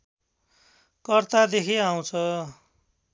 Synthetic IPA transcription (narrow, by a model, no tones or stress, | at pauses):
kʌrt̪ad̪ekʰiaw̃t͡sʰʌ